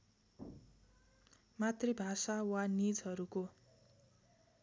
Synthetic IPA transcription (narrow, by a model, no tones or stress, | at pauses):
mat̪rebʱasawanid͡zɦʌɾuko